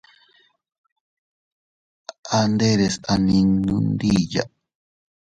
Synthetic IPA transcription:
a˧nd̪e˦ɾe˨sa˧nĩ˧nũ˧nd̪i˦ja̰˨

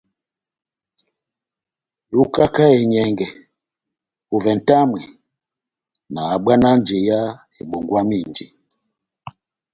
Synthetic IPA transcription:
lu˦ka˦ka˦ɛ˨ɲɛ˨ŋɡɛ˨ | u˨vɛ˨n̩˨ta˦mwɛ˨ | naː˨ɓwa˦na˦n˦d͡ʒɛ˨ja˦ | e˨ɓo˨ŋɡwa˦mi˦˨nd͡ʒi˨

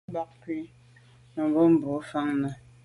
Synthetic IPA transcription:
ba˨k̚kwi˦ | mə˨bo˦m̩˦˨bo˨˦fa˦ŋnə˨

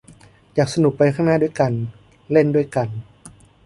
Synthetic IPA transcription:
jaː˨˩k̚sa˧nu˨˩k̚pa˧jkʰa˥˩ŋnaː˦˥du˧˥˩əjka˧n | le˥˩˨ndu˥˩əjka˧n

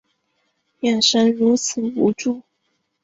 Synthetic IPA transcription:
jɛ˨˩nʂə˥nɻu˧˥t͡s̩ʰ˨˩u˧˥ʈ͡ʂu˥˩

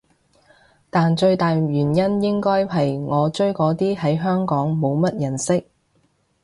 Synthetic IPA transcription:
t̪aː˨nt͡ʃɵ˧ɥt̪aː˨jɥyː˨˩njɐ˥njɪ˥ŋkɔː˥jɦɐ˨jŋɔː˨˧t͡ʃɵ˥ɥkɔː˨˥t̪iː˥ɦɐ˨˥jɦœː˥ŋkɔː˨˥ŋmo˨˧wmɐ˥t̚jɐ˨˩nsɪ˥k̚

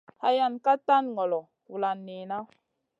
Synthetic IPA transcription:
ha˦ja˦nka˦tːa˦nŋɔ˨lɔ˨ | wu˨la˨nːe˨na˦

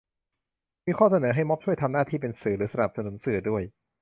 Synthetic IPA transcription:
miː˧kʰɔː˥˩sa˧nɤː˩˦ɦa˥˩jmɔ˦˥p̚t͡ɕʰu˥˩əjt̪ʰa˧mnaː˥˩t̪ʰiː˥˩p̬e˧nsɯː˨˩˦ɾɯː˩˦sa˧na˨˩p̚sa˧nu˨˩˦nsɯ˨˩ədu˥˩əj

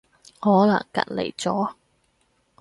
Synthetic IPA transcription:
hɔː˨˥lɐ˨˩ŋkɐ̰˨t̚lḛ˨˩jt͡sɔː˨˥

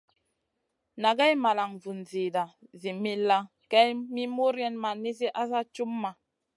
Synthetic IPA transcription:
na˨ɡɛ˦jma˨la˨ŋvu˨nzi˨da˨zi˨mi˦la˦ | kɛ˦jmi˦mo˦ɾjɛ˦nma˨ni˦s̬i˦ʔa˦sa˦t͡ʃu˦mːa˨

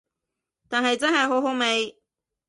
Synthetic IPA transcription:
t̪aː˨nɦɐ˨jt͡sɐ˥nhɐ˨jɦo˨˥wɦo˨˥wme˨˧j

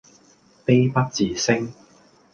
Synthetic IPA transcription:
pe˥jpɐ˥k̚t͡siː˨˧sɪ˥ŋ

